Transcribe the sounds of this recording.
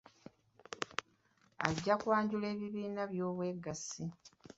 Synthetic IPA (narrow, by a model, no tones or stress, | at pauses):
a̰ɟːakwaːɲɟule̞ːβiβiːnaβjo̞ːβwe̞ɡasi